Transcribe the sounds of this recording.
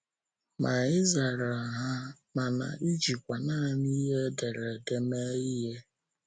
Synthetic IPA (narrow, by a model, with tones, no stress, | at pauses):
mʔa˨ɪ˦za˨ɾa˨a˨ɦa˦ | ma˨na̰˨i˦d͡ʒi˨kʷa˨naː˦˨ni˦ɦe˦de˨ɾe˨de˦me˦i˦ɦe˦